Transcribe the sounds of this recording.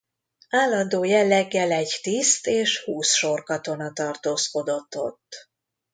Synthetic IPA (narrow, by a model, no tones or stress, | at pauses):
aːlːɒnd̪oːjɛlːɛɡːɛlɛɟt̪ist̪eːʃhuːsʃo̞rkɒt̪o̞nɒt̪ɒrt̪oːsko̞d̪o̞t̪ːo̞̰t̪ː